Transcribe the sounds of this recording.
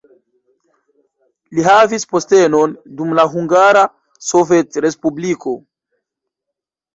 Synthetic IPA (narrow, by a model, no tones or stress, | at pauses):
liɦavispo̞ste̞no̞ndumlaɦuŋɡaɾa | sove̞tɾe̞spubliko̞